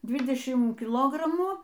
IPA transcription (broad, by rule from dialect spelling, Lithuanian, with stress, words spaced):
ˈdʲʋʲɪdʲɛʃʲɪm kʲɪˈlˠoːɡrɐmuː